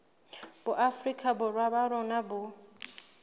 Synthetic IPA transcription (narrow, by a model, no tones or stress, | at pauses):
b̥ʊʔafrikʰʼabʊrwabaɾɔnabʊ